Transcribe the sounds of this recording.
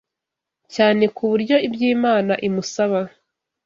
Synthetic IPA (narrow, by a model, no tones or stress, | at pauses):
caːne̞kʰuβuɾɟo̞ibɟiːmaːnaʔimusaβa